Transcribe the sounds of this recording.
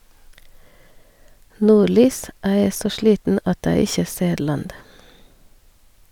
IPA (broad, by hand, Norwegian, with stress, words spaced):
ˈnuːˌɭyːs ˈæː ˈeː ˈsoː ˈʃliːtn̩ ˈɑt ˈæː ˈɪçə ˈseː ˈɭɑnd